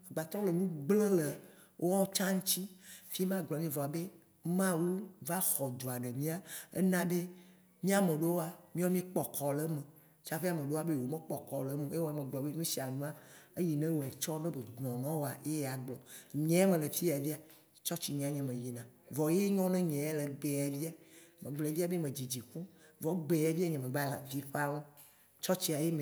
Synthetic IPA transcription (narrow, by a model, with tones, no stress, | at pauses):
ɡ͡ba˨t̪ɾɔ˦le˨nũ˦ɡ͡ble˦le˨ | wʔo˦wɔ˦t͡ʃã˦ŋũ˦t͡ɕi˦fi˦mã˦ɡ͡blɔ˨mĩ˦vɔ˨a˨be˦ | mã˦wu˦va˦xɔ˨d̪o˨a˨ɖe˨mĩ˦a˦ḛ˦nã˦be˦ | mĩ˦a˨mẽ˨ɖo˦wo˦a˨mĩ˦ɔ˦mĩ˦k͡pɔ˨kʰɔ˨le˦mẽ˨ | t͡ʃa˨fe˦a˨mẽ˨ɖe˦a˨˦be˦˨wo˨mẽ˦k͡pɔ˨kɔ˨le˨˦mẽ˨e˦wo˦a˨mẽ˨ɡ͡blɔ˨be˦ɲũ˦si˨a˨nũ˦a˦e˦ji˨nɛ̃˦wo˨e˨t͡ʃɔ˦nẽ˦be˨dnɔ̃˨nɔ̃˦wo˦a̰˨e˦ja˨ɡ͡blɔ˨ɲɛ̃˨˦a˦mẽ˨le˨fi˦˨a˨vi˦a˨ | t͡ʃɔ˦t͡ɕi˨ɲĩ˨a˨ɲɛ̃˨mẽ˨ji˨nã˨vɔ˨je˦ɲɔ̃˦nẽ˦ɲɛ̃˨a˦le˨ɡ͡be˨a˨vi˦a˨mẽ˨ɡ͡ble˨˦vi˦a˦be˦mẽ˨d͡ʑi˨d͡ʑi˨kũ˦vɔ˨ɡ͡be˨a˨vi˦a˦ɲẽ˨mẽ˨ɡ͡ba˦la̰˨vi˦ɸa˦wo˦ | t͡ʃɔ˦t͡ɕi˦a˨je˦me˨